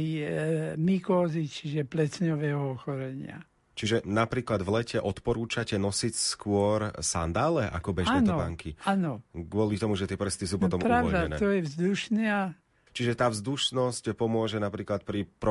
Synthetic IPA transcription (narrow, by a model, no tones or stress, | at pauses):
mikɔːzit͡ʃiʒɛplɛt͡sɲɔʋɛːɦɔɔxɔɾɛɲɪa̰ | t͡ʃiʒɛnapɾiːklad̪vlɛcɛʔɔt̪pɔɾuːt͡ʃacɛnɔsicskʊɔɾsand̪aːlɛʔa̰kɔbɛʒaɛnt̪ɔɔbaŋkianɔɡʊɔlit̪ɔmuʒɛt̪ɪɛpr̩st̪is̬uːpɔt̪ɔmpɾawɔd̪aɛnɛːt̪ɔjɛvzd̪uʃnɪa | t͡ʃiʒɛt̪aːvzd̪uʃnɔscpɔmʊɔʒɛnapɾiːklat̪̚pɾipɾɔ